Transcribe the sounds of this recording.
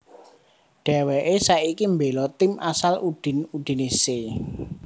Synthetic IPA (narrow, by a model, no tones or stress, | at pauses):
ɖ̥ɛ̤wɛʔesaikimbelɔt̪ɪmʔasalud̥i̤nuɖ̪̥i̤nise